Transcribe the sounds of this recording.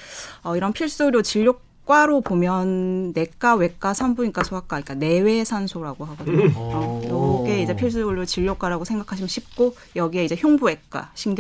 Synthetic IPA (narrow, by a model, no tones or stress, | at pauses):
ʌiɾʌnpʰiɭs͈ɯɭjot͡ɕiʎːok̚ | k͈waɾopomjʌnːe̞k͈awe̞k͈asʰambuɲik͈asʰoak͈aik͈ane̞we̞sʰansʰoɾaɡoɦaɡo | jʌɡe̞id͡ʑe̞pʰiɭs̬͈uuɾjot͡ɕiʎːok͈aɾaɡosʰeŋɡakʰaɕʰimjʌnɕʰip̚k͈o | jʌɡie̞id͡ʑe̞çjoŋbue̞k͈a̰ɕʰiŋɡ